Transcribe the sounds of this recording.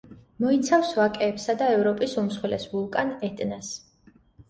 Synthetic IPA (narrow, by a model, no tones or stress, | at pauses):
mɔit̪sʰafsvakʼɛːpsad̪aɛvɾɔpʼisumsχwɛlɛ̰svulˠkʼanɛt̪ʼnas